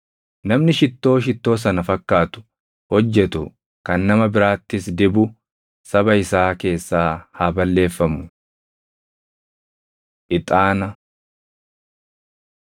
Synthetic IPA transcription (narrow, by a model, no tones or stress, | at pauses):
nɐmnɪʃɪt̪ːo̞ːʃ̬ɪt̪ːo̞ːs̬ɐnɐfɐkːaːt̪ʊ̥ | hɔd͡ʒːɛt̪ʊ | kɐnːɐmɐbɪɾaːt̪ːɪsd̪ɪbʊ | sɐbɐɪsaːke̞ːsːaːhaːbɐlːe̞ːfːɐmʊ | ʔɪt̪ʼaːnɐ